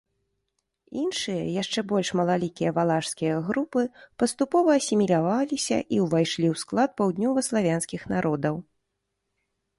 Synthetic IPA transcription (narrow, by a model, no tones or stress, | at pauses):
inʂɨjɐ̰jaʂt͡ʂɛbɔlʲʂmɐlˠalʲikʲijɐvalˠaʂskʲijɐɣɾupɨpɐst̪upɔvɐːsʲimʲilʲavalʲisʲɐ̰ʔiwvajʂlʲiwsklˠat̪̚pawd̪ʲnʲɔvɐslˠavʲanskʲixnaɾʔɔd̪ɐw